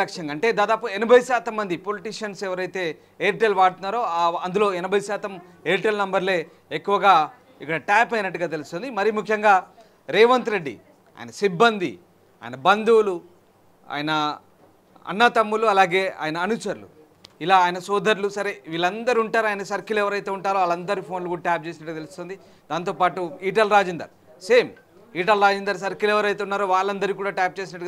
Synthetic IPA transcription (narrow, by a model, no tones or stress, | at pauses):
ɐkʂjɐŋɡaɐɳʈe̞ːd̪aːd̪aːp̬uenibʱɐjsaːt̪ɐmːɐnd̪ipoliʈiːʂɐnsɛʋɐɾɐjt̪e̞ː | eːɾʈelʋaːɽut̪unːaːɾoːaɐnd̪ulo̞ːenibʱɐjisaːt̪ɐm | eːɾʈelnɐmbɐɾle̞ː | kːuʋɐɡaː | ikːɐɽɐʈaːpɐjnɐʈːuɡaːt̪e̞lust̪ond̪imɐɾimukʰːjɐŋɡaː | ɾeːʋɐnt̪ɾe̞ɖːḭ | a̰ːjɐ̰nɐsibːɐnd̪ḭ | a̰ːjɐnɐbɐnd̪ulu | a̰ːjɐnɐ | ɐ̰nːɐt̪ɐmːuluɐlaːɡe̞ːa̰ːjɐnɐːnusɐɾulṵ | ilaːjɐnɐsɔːd̪ʱɐɾlusɐɾeʋiːlɐnd̪ɐɾiuɳʈaːɾuaːjɐnɐsɐɾkilɛʋɐɾɐjt̪eːuɳʈaːɾoːaːlɐnd̪ɐɾipʰo̞ːnlukuːɽaʈjaːp̚t͡ʃe̞ːs̬inɐʈ̬ːɡat̪elust̪ond̪i | d̪aːnt̪oːpaːʈuiːʈ̬ɐlɾaːd͡ʒnd̪ɐ̰ɾ | se̞ːm | iːʈ̬ɐlɾaːd͡ʒɐnd̪ɐɾsɐɾkilɛʋɐɾɐjt̪eunːaːɾoːʋaːɭːɐnd̪ɐɾikuːɽaːʈaːp̚t͡ʃe̞ːs̬inɐʈːuɡa